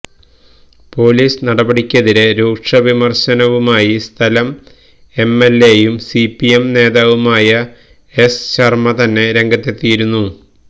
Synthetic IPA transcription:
po̞ːliːsnɐɽɐbɐɽikʲːɐðiɾe̞ɾuːkʂɐʋimɐrɕɐnɐʋumaːjist̪ʰɐlɐm | e̞mːe̞lːe̞jumsipːijemne̞ːðaːʋumaːjɐ | esɕɐrmɐt̪ɐnːe̞ɾe̞ŋɡɐt̪ːet̪ːijiɾunːu

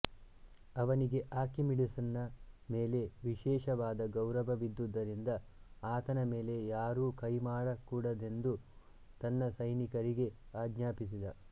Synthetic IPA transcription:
ɐʋɐniɡe̞ʔaːɾkimiɖisɐnːɐmeːle̞ʋiʃɛːʃɐʋaːd̪ɐɡɐwɾɐʋɐʋid̪ːud̪ːɐɾind̪ɐ | aːt̪ɐnɐme̞ːle̞jaːɾuːkɐjmaːɽɐkuːɽɐd̪e̞nd̪u | t̪ɐnːɐsɐjnikɐɾiɡe̞aːɡɲaːpis̬id̪ɐ

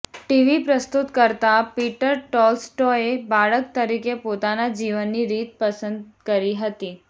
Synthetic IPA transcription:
ʈiʋipɾəst̪ut̪kəɾt̪apiʈəɾʈɔlsʈoebaɭək̚t̪əɾikepot̪anad͡ʑiʋənːiɾiːt̪̚pəsənd̪kəɾiɦət̪i

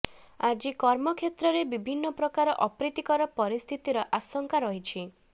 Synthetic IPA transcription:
ad͡ʒikɔɾmɔkʰet̪ɾɔɾebibʱinːɔpɾɔkaɾɔʔɔpɾit̪ikɔɾɔpɔɾist̪ʰit̪iɾɔʔasɔŋkaɾɔɦit͡ʃʰi

